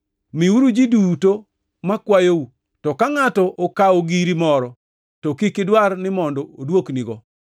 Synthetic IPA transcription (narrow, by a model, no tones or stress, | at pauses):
miuɾud͡ʒiduto | makwajou | tɔkaŋatɔʔokaoɡiɾimɔɾɔ | tɔkikɪdwarnɪmɔndɔodwokniɡɔ